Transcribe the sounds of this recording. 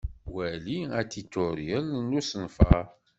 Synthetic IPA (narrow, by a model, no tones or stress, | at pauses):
wæliæt̪ːit̪ːʊɾjəlnːusənfə